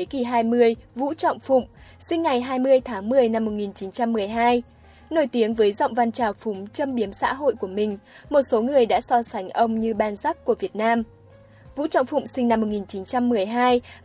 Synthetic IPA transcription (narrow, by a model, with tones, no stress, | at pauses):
ki˨˩ɦaː˧jmɨ˧əjvṵ˧˥t͡ɕɔ̰˧˨wŋ͡mfʊ̰˧˨ŋ͡m | sï˧ŋ̟ːa˨˩jɦaː˧jmɨ˧əjt̪ʰaː˨˦ŋmɨ˨˩əjna˧mːo˨˩t̚ŋi˨˩nt͡ɕi˨˦nt͡ɕa˧mːɨ˨˩əjɦaː˧j | no˧˩jt̪i˨˦əŋvəː˨˦jzɔ̰˧˨wŋ͡mva˧nt͡ɕaː˨˩wfʊ˨˦ŋ͡mt͡ɕə˧mɓi˨˦əmsa̰ː˧˥ɦo̰˧˨jku˧˩əmï˨˩ŋ̟mo˨˩t̚so˨˦ŋɨ˨˩əjɗa̰ː˧˥sɔ˧sa˨˦jŋ̟ʔə˧wŋ͡mɲɨ˧ɓaː˧nza˦˥k̚kːu˧˩əvi˨˩ət̚naː˧m | vṵ˧˥t͡ɕɔ̰˧˨wŋ͡mfʊ̰˧˨ŋ͡msï˧ŋna˧mːo˨˩t̚ŋi˨˩nt͡ɕi˨˦nt͡ɕa˧mːɨ˨˩əjɦaː˧j